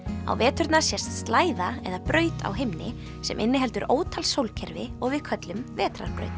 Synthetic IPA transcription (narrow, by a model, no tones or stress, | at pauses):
a̰wvɛːt̪ʏɾt̪nḁsjɛst̪st̪laːjðaɛðapɾœːɥt̪ʰa̰wɦejmnɪ | sɛ̰mʔɪnːɪɦɛlt̪ʏɾʔoːwt̪ʰalsowlcʰɛɾvɪɔɣvɪðkʰœt̪lʏmvɛːt̪ɾa̰ɾ̥pɾœ̰ɥjt̪